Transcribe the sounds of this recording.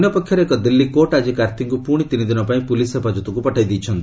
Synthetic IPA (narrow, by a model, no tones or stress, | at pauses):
njɔpɔkʰjɔɾeeːkɔd̪ilːikoʈad͡ʒikaɾt̪ʰiŋkupuɽ̃it̪inid̪inɔpaĩpulisɦepad͡ʒɔt̪ɔkupɔʈʰajd̪ijt͡ʃʰɔnt̪i